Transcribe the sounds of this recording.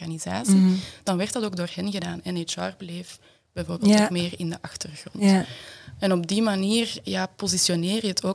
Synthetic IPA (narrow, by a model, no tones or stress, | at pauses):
ɣanizaːsid̥ɑnʋɛrtdɑtoːɡ̚doːrhɛnɣədaːnɛnet͡ʃɑːrbleːf | b̥ɛjvoːrbelltokmeːrɪndəʔɑxtərɣrɔ̰nt | ɛnɔb̚dimaniːrjapozisjoneːrjəɦətʰoː